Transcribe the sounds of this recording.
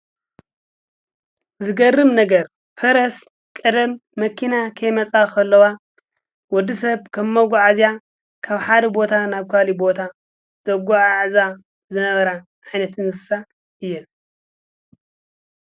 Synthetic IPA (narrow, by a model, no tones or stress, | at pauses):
zɨɡɐrːɨmnɐɡɐɾ | fɐɾɐs | kʼɐd̪ɐmːɐkʰinakʰɐjmɐt͡sʼakɐlːɐwa | wɔd̪ːisɐβkʰɐmːɐɡuʕazja | kʰaβħad̪ɐbo̞t̪ʰanaβkʰalibo̞t̪ʰa | z̥ɐɡʷaʕaʕza | zɨnɐβɐɾa | ʕajnɐt̪ʰɨnzɨsa | ɨjːɛn